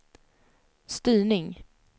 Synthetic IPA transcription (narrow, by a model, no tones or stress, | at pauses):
st̪yːɳɪŋ